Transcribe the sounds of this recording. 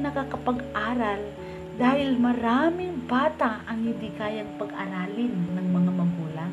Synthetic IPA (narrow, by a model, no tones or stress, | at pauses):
nɐkakɐpɐɡʔaːɾɐl | d̪aːhɪlmɐɾamɪŋbaːt̪aʔɐŋhɪnd̪ikaːjat̪̚pɐɡʔɐɾaːlɪnːɐŋmɐŋamɐɡuːlaŋ